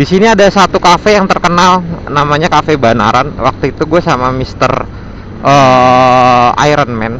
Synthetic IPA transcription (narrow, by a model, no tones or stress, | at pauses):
disiniadasat̪ukafejaŋt̪ərkənalnamaɲakafebana̰ɾanwa̰k̚t̪uit̪uɡuasamamist̪ə̰r | ʔə | a̰jɾənmɛn